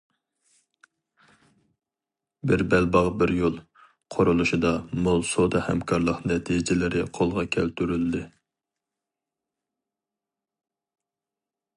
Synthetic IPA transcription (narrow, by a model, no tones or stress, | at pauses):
bɪɾbɛlbɑʁbɪɾjolˠ | qʰoɾulˠuʃɨd̪ɑmolˠsod̪ɑhɛmkʰɑɾlˠəqnɛt̪ʰid͡ʒɪlɪɾɪqʰolˠʁɑkʲʰɛlt̪yɾyld̪ɪ